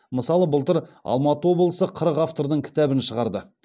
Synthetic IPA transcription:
məsɑlˠəbʊəlˠt̪əɾɑ̰lˠmɑt̪əwo̞blˠəsəqʰəɾəqaft̪o̞ɾd̪əɴkʲʰɪ̥t̪æbɪnʃəʁɑɾd̪ə

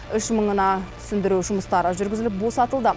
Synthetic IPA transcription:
ʏʃməɴənɑ | sʏnd̪ɪɾuʒʊməst̪ɑɾəʒʏɾɡʲɪzɪlɪp̚bo̞sɑt̪əlˠd̪ə

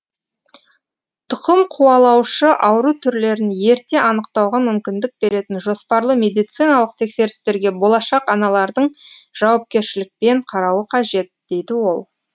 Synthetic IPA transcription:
t̪ʰʊqəmqʰuɑlˠɑwʃəʔɑwɾut̪ʰʏɾle̞ɾɪnje̞ɾt̪e̞ʔɑnəqt̪ɑwʁɑmʏmkʲɪnd̪ɪk̚be̞ɾe̞t̪ɪnʒo̞spɑɾlˠəmʲe̞d̪ijt̪sijnɑlˠəq̚t̪ʰe̞kse̞ɾɪst̪e̞ɾɡʲe̞bo̞lˠɑʃɑqɑnɑlˠɑɾd̪əɴʒ̥ɑwɑp̚kʲe̞ɾʃɪlɪk̚pe̞ɴqʰɑɾɑwəqʰɑʒe̞t̪̚d̪̥e̞jd̪ɪwo̞lˠ

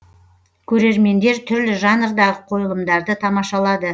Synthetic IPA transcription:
kʲʰɵɾe̞ɾme̞nd̪e̞ɾt̪ʰʏɾlɪʒɑnəɾd̪ɑʁəqʰo̞jəlˠəmd̪ɑɾd̪ət̪ʰɑmɑʃɑlˠɑd̪ə

